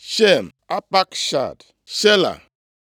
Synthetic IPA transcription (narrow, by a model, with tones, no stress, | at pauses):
ʃe˦˨m | a˦pa˦kʃa̰˦˨d | ʃe˦la̰˨